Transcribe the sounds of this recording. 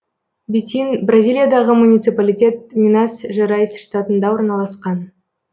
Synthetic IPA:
bʲet̪ʲinbrazʲilʲˠijad̪ɑʁəmunʲit̪sɨpalʲijtʲe̞t̪̚mʲinɑsʒɑɾɑjsʃt̪at̪ənd̪ɑwo̞ɾnɑlˠɑsqɑn

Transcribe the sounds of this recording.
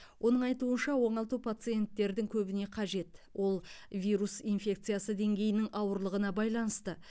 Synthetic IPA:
wʔo̞nəɴɑjt̪uənʃɑwo̞ɴɑlˠt̪upʰat̪sɨje̞nt̪ːe̞ɾd̪ɪŋkʲʰɵbɪne̞qʰɑʒe̞t̪wʔo̞lˠvʲijɾusijnfʲe̞k̚t̪sɨjasəd̪e̞ŋɡʲe̞jɪnɪŋʔɑwəɾlˠəʁənɑbɑjlˠɑnəst̪ə

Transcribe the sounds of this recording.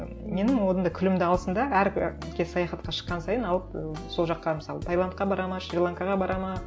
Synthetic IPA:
me̞nɪŋwod̪ənd̪ɑkʲʰʏlɪmd̪ɪɑlˠsənd̪ɑæɾkʲʰeɑjɑχɑt̪̚qɑʃə̥qːɑnsɑjənɑlˠəp̚so̞lˠʒɑqːɑməsɑlˠət̪ʰajlˠant̪̚qɑbɑɾɑmɑʃɾɪrlˠaŋkɑʁɑbɑɾʔɑmɑ

